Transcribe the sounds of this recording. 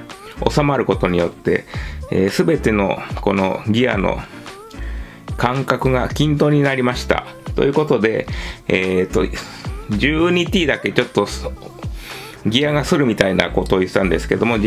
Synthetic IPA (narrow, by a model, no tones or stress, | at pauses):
o̞̰samaɾɯ̟ko̞t̪o̞ɲ̟ijo̞t̪ːe̞̰eːsɨbe̞t̪e̞no̞̰ko̞no̞̰ɡʲia̰no̞̰ | kãŋkakɯ̟ɡakʲĩnt̪o̞ːɲ̟inaɾʲimaɕi̥t̪a̰ | t̪o̞̰jɯ̟ːko̞t̪o̞d̪e̞et̪ːo̞̰ | d͡ʑɨːɲʲit̪ʲiːd̪ake̞t͡ɕo̞t̪ːo̞ | ɡʲiaɡasɨɾɯ̟mʲit̪aina̰ko̞t̪oːi̥t̪ãnd̪e̞sɨ̥ke̞d̪o̞mo̞